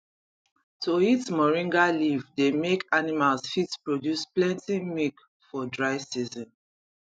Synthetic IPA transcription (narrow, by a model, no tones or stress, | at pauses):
toitmɔɹĩŋɡalivdemekʰanimalsfitspɹodjusplɛ̃ntimik | fɔdɹaɪsizɔ̃n